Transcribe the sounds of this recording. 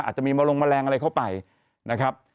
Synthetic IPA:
ʔaː˨˩t͡ɕa˨˩miː˧maː˧lo˧ŋmaː˧lɛː˧ŋʔa˧ɾa˧jkʰa˥˩wpa˧j | na˦˥kʰɾa˦˥p̚

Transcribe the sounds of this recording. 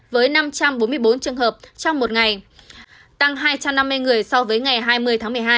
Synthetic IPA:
vəː˨˦jna˧mt͡ɕa˧mɓo˨˦nmɨ˧əjɓo˨˦nt͡ɕɨ˨˩əŋɦəː˨˩p̚t͡ɕɔ˧wŋ͡mmo˨˩t̚ŋa˨˩j | t̪a˧ŋɦaː˧jt͡ɕa˧mna˧mː˧əjŋɨ˨˩əjsɔ˧vəː˨˦jŋa˨˩jɦaː˧jmɨ˧əjt̪ʰaː˨˦mɨ˨˩əjɦaː˧

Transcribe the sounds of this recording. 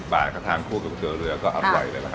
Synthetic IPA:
ɓaː˨˩kʰa˥˩t̪ʰaː˧ŋkʰuː˥˩ka˨˩sʰɯː˨˩˦ɾɯ˧ɐkɔː˥˩ʔa˧ɾɔ̰˨˩jləː˧˩la˨˩kʰ

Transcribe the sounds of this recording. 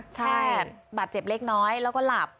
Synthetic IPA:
t͡ɕʰa˥˩˥baː˨˩t̪̚t͡ɕe˨˩p̚le˦˥˩k̚nɔː˦˥jlɛː˦˥wkɔː˥˩la˨˩p̚

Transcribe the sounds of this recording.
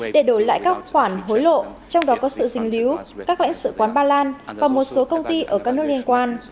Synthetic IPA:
ɗe˧˩ɗo˧˩jla̰ː˧˨jkaː˦˥k̚xwaː˧˩nɦo˨˦jlo̰˧˨t͡ɕɔ˧wŋ͡mɗɔ˨˦kɔ˨˦sɨ̰˧˨zï˨˧˩ŋ̟li˨˦wkaː˦˥k̚la̰˧˥ŋ̟sɨ̰˧˨kwaː˨˦nɓaː˧laː˧nvaː˨˩mo˨˩t̚so˨˦kə˧wŋ͡mt̪i˧ʔəː˧˩kaː˦˥k̚nɨ˦˥ək̚li˧ənkwaː˧n

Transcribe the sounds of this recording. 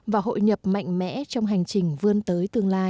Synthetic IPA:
vaː˨˩ɦo̰˧˨jɲə˨˩p̚ma̰˧˨jŋ̟mɛ̰˧˥t͡ɕɔ˧wŋ͡mɦa˨˩jŋ̟t͡ɕï˨˩ŋ̟vɨ˧ənt̪əː˨˦jt̪ɨ˧əŋlaː˧j

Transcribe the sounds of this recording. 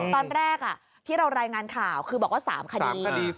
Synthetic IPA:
t̪ɔː˧nɾɛː˥˩k̚ʔa˩ | t̪ʰiː˥˩ɾa˧wɾaː˧jŋaː˧nkʰaː˨˩wkʰɯː˧bɔː˨˩k̚waː˥˩sa̰ː˩˦mkʰa˧diː˨˧diː˧

